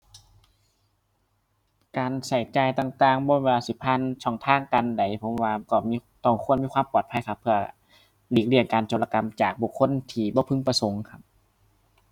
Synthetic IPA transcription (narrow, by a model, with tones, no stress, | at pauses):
kaː˨nsa˧˩jt͡ɕaː˧˩jt̪aː˨˩ŋt̪aː˨˩ŋbɔː˧˦weː˧laː˧si˧˦˩pʰa˧˨nsʰɔː˧˩˨ŋt̪ʰaː˧˥˨ŋka˧˨nda˨˩jpʰo˨˦mwaː˧kɔː˧˩miː˧˥˧ | t̪ɔ˧˩kʰənmiː˧˥˧kwaː˧˨mpɔː˨˩t̪̚pʰa˧˥˨jkʰa˧˥pʰːɯ˧ɐ | liː˧˩k̚li˧˩ənkaː˨nt͡ɕoː˨˩la˧ka˧˨mt͡ɕaː˨˩k̚buː˧˩˨kʰːo˧˥˨nt̪ʰiː˧˩bɔː˧˦pʰɯ˧˥˨ŋpa˧so˨˦ŋkʰa˧˥p̚